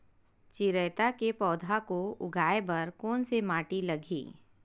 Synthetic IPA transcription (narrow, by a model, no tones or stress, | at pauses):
t͡ʃɪɾɛːt̪akepɔːd̪ʱakoʊ̰ɡʱaːebɐɾkɔːnsemaːʈilɐɡʱḭː